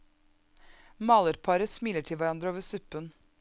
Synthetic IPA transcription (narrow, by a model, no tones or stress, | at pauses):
mɑːləɾpʰɑɾəsmɪləʈʰɪlʋæɾɑnd̪ɾəoːʋəɾsʉpən